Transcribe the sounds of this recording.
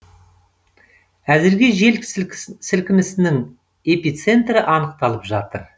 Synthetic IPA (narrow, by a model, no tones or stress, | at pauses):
æzɪɾɡʲe̞ʒe̞lsɪlkʲɪmɪsɪnɪŋ | e̞pijt̪se̞nt̪rɪʔɑnəq̚t̪ɑlˠəpʒɑt̪əɾ